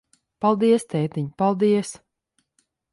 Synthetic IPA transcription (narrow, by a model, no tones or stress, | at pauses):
palˠd̪iɛst̪ɛːt̪iɲpalˠd̪iɛs